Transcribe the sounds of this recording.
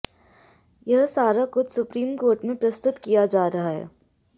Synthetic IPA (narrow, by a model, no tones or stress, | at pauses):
jɐɦsaːɾakʊt̪sʊpɾiːmkoːɾʈmẽpɾɐst̪ʊt̪kijad͡ʒaːɾɐɦaɦɛ̰ː